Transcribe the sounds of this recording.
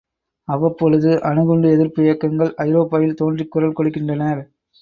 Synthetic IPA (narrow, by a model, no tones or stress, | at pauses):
ɐʋɐpːɔɻɯðɯʔɐnɯɣɔɳɖɯɛðɪɾpʊjɐkːɐŋɡɐɭʔɐɪɾoːpːaːjɪlt̪oːndrɪkːʊɾɐlkɔɽɯkːɪndrɐnɐɾ